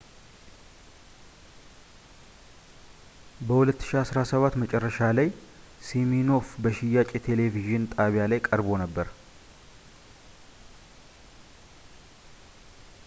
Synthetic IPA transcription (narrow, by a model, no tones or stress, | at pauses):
bəhulət̪ːɨ̥ʃiasɾasəβat̪ːmət͡ʃʼɛrːəʃalaj | simino̞fbəʃɪjːat͡ʃʼet̪ʰe̞le̞viʒɨnt̪ʼaβijalajkʼəɾbo̞nəbːəɾ